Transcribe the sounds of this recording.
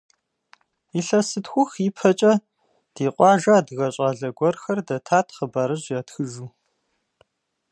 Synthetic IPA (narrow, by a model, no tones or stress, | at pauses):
iɬɐsɨtxʷʊxipʰɐt͡ʃʼɐ | d̥iːqʷʼɑːʒɐːdɣɐɕʼɑːɮɐɡʷɔrxɐrdɐtʰaːtʰχəbaɾɨʑjaːtxɨʒuː